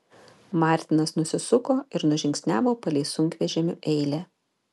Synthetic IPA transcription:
mɑˑɾʲt̪ʲɪnɐsnʊsʲɪsʊkoːɪɾnʊʒʲɪŋʲksʲnʲæːʋoːpɐlʲɛɪsʊŋʲkʋʲɛʒʲɛmʲʊʔɛɪlʲeː

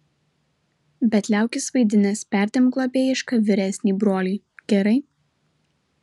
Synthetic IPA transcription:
bʲɛt̪ʲlʲæˑʊkʲɪsʋɐɪd̪ʲɪnʲɛspʲæˑɾʲd̪ʲɪmklˠoːpʲeːjɪʃkɐʋʲɪɾʲɛsʲnʲiːbɾoːlʲiː | ɡ̥ʲɛɾɐɪ

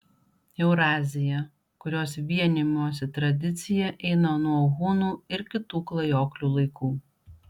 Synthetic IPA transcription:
ɛʊɾɑːzʲɪjɛ | kʊɾʲoːsʋʲiɛnʲɪmʲoːsʲɛt̪ɾɐd̪ʲɪt̪sʲɪjɛʔɛɪnɐnuɔɣʊnuːɪɾkʲɪt̪uːklˠɐjoːklʲuːlˠɐɪkuː

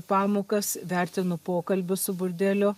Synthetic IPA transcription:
pɑːmoːkɐsʋʲæˑɾʲt̪ʲɪnʊpoːkɐlʲbʲʊsʊbʊɾʲd̪ʲelʲʊ

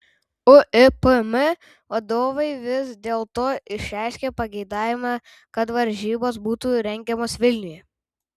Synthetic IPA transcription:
ʊʔɪpmɪ | ʋɐd̪oːʋɐɪʋʲɪsd̪ʲeːlˠt̪oːɪʃʲæˑɪʃʲkʲeːpɐɡʲɛɪd̪ɑːʋʲɪmɑ | kɐt̪ʋɐɾʲʒʲiːboːs̬buːt̪uɾʲɛŋʲɡʲɛmoːsʋʲɪlʲnʲʊjɛ

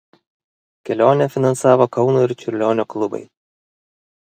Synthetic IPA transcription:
kʲɛlʲoːnʲɛfʲɪnɐnsɑːʋoːkɒʊnuːɪɾt͡ʃʲʊɾʲlʲoːnʲoːklˠʊbɐ̰ɪ

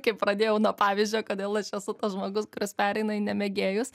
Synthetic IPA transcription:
kɐɪppɾɐd̪ʲeːjɛʊnuɔpɑːʋʲizʲd͡ʒʲoːkoːd̪ʲeːlˠɐʃɛsʊt̪ɐsʒmoːɡʊskʊɾʲospʲæːɾʲɛɪnɐɪnʲɛmʲɛɡʲeːjʊs

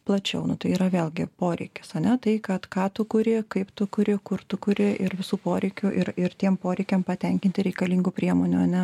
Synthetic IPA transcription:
plˠɐt͡ʃʲɛʊnʊt̪ɐɪiːɾɐʋʲeːlˠʲɡʲɪpoːɾʲɛɪkʲɪ̥sɐnʲɛt̪ɐɪkɐt̪kɑːt̪ʊkʊɾʲɪkɐɪpt̪ʊkʊɾʲɪkʊrt̪ʊkʊɾʲɪʔɪrʋʲɪsuːpoːɾʲɛɪkʲʊʔɪɾɪrt̪ʲiɛmpoːɾʲɛɪkʲɛmpɐt̪ʲɛŋʲkʲɪnʲt̪ʲɪɾʲɛɪkɐlʲiːŋɡʊːpʲɾʲiɛmoːnʲʊɐnʲɛ

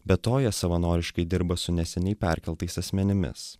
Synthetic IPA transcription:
bʲɛtt̪oːjɛsɐʋɐnoːɾʲɪʃkɐɪd̪ʲɪɾbɐsʊnʲɛsʲɛnʲɛɪpʲæˑɾʲkʲɛlˠt̪ɐɪsɐsʲmʲɛnʲɪmʲɪ̰s

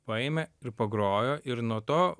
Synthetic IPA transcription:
pɐeːmʲɛɪɾpɐɡɾoːjoːʔɪɾnuɔt̪oː

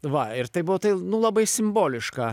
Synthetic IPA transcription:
ʋɐɪɾt̪ɐɪbʊʋoːt̪ɐɪnʊlˠɐbɐɪsʲɪmboːlʲɪʃkɑː

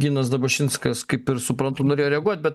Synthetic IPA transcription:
ɡʲiːnɐs̬d̪ɐbɐʃʲɪnskɐskɐɪpɪɾsʊpɾɐnt̪ʊnoːɾʲeːjoːɾʲɛɐɡuɔt̪̚ʲbʲɛt̪

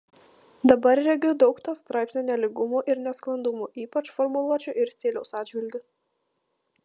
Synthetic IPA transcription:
d̪ɐbɐɾɾʲɛɡʲʊd̪ɒʊkt̪oːst̪ɾʔɑˑɪpʲsʲnʲoːnʲɛlʲɪɡʊmuːʔɪɾnʲɛsklˠɐnd̪ʊmuʔiːpɐt͡ʃfɔɾmʊlˠuɔt͡ʃʲʊʔɪɾsʲt̪ʲeːlʲɛʊsɑːd̪ʲd͡ʒʲʋʲɪlʲɡ̪ʲʊ

